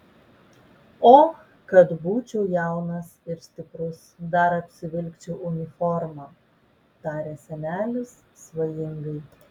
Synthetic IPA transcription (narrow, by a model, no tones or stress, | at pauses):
oː | kɐt̪buːt͡ʃʲɛʊjæˑʊnɐsɪɾsʲt̪ʲɪpɾʊsd̪ɐɾɐpʲsʲɪʋʲɪlʲkt͡ʃʲɛʊʔʊnʲɪfɔɾmɑː | t̪ɑːɾʲeːsʲɛnʲæːlʲʊsːʋɐjɪŋɡɐɪ